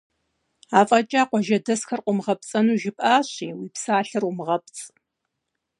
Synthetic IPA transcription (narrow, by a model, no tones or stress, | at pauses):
aːfʼɐt͡ʃʼaːqʷɔʒɐdɐsxɐrqʷʊmʁɐp̚t͡sʼɐnuːʒɪpʼaːɕiːwiːpsaːɬɐrʊmɨʁɐp̚t͡sʼ